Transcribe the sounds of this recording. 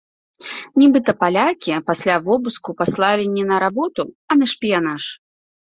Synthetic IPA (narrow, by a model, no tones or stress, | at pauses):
nʲibɨt̪ɐpalʲakʲipasʲlʲavɔbuskupaslˠalʲinʲːɛnɐɾabɔt̪u | ɐnɐʂpʲijanaʂ